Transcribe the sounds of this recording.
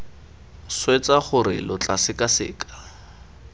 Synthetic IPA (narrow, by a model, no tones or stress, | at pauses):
swet͡saχʊɾɪlʊt͡ɬasɪkʼasɪ̰ːkḁ